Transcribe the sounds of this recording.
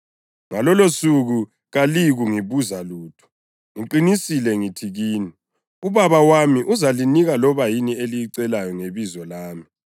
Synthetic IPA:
ŋalɔlosuɣu | ɣaliɣuŋiβuzaluːtʰɔ̥ | ŋiǃinisilɛŋitʰiɣiːni | uβaβawamiʔuzaliniɣalɔβajinielijiǀɛlajɔŋeβizɔlaːmi

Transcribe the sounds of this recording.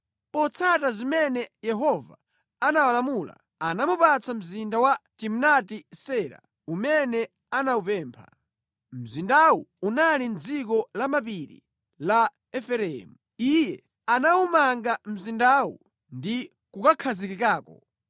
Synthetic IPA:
pɔt͡sʰatazimɛnɛjɛɦɔva̰ | anawalamula̰ | anamupat͡sʰam̩zindawatim̩natisɛːɾa̰ | umɛnɛ | anaupɛːmpʰa̰ | m̩zindawuunalin̩d͡zik̬ɔlamapiɾḭ | la | ɛfɛɾɛɛmu | ijɛ | anawumaŋɡam̩zindawṵ | ndi | kukakʰazikikaːkɔ̰

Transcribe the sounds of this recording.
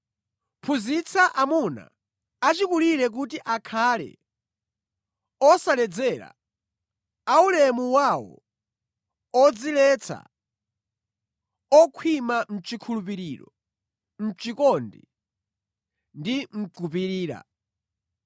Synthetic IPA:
pʰuzit͡sʰaʔamuna̰ | at͡ʃikuliɾɛk̬utiʔakʰalɛ̰ | ɔsalɛd͡zɛɾa̰ | aulɛmuwawɔ̰ | ɔd͡zilɛt͡sʰa̰ | ɔkʰwimam̩t͡ʃikʰulup̬iɾiːɾɔ | m̩t͡ʃikɔndi | ndim̩ǀupiɾiːɾa̰

